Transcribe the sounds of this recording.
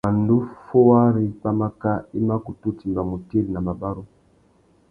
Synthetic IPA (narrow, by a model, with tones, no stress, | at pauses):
a˨ndu˦fɔ˦wa˦ɾi˦pa˦ma˦ka˦i˦ma˦ku˨tu˦ti˨mba˨mu˨ti˦ɾi˨na˨ma˨ba˦ɾu˦